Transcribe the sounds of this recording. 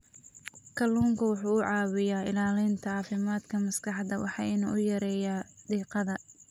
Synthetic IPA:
kʰɐluːŋkʰɐwʊħuːʊʕɑːwɪjaːɪlaːlɪnt̪ʰɐɑːfɪmaːd̪kʰɐmɐskʰɑħd̪ɐwʔɑ̰ħɑ̰ːɪnṵːʔʊjɐɾɛːjad̪iːqɑðɐ

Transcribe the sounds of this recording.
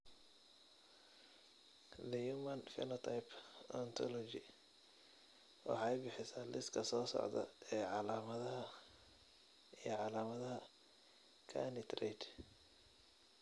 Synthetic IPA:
d̪ɐjumɐnfɛ̰nɔt̪ʰajpʰɔnt̪ʰɔlɔt͡ʃɪ | wɑ̰ħɑjbɪħɪsaːlɪskʰɐsɔːsɔ̰ʕd̪ɐ̰ɛːʕɑlaːmɐðɐɦɐ | ijɔʕɑlaːmɐðɐɦɐ | kʰa̰nɪt̪rɛjd̪

